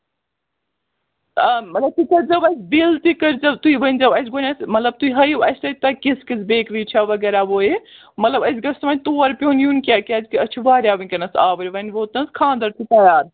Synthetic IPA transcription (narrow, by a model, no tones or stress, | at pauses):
ɐmɐt̪lɐb̚t̪ikɐɾd͡ʒɐbɐsʲbilt̪ikɐɾd͡ʒɐbt̪uiʋɐnʲd͡ʒɐbɐsʲɡonʲɐsmɐt̪lɐb̚t̪uiɦɐjɐsʲt̪ɐt̪ɐkiskisʰbeːkɾiːt͡ʃʰɐʋɐɡɛːɾaʋoːe | mɐt̪lɐbɐsɡɐɾsɐmɐnt̪oːɾpʲoːnjuːnʲkʲakʲɐːd͡ʒkiɐt͡ʃʰuʋaːɾjaːʋɐnʲkɐnɐsaːʋɐɾʲiʋɐnʲʋoːt̪nɐskʰãːnd̪ɐɾt̪ʰit̪ɐjaːɾ